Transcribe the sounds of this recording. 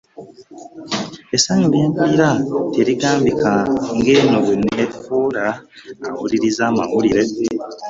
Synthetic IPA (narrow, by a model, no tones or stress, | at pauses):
esaɲubeːmpiːɾateɾiɡaːmbikaŋɡeːnoβunetfuːlaːwuliɾizaːma̰wuliɾe̞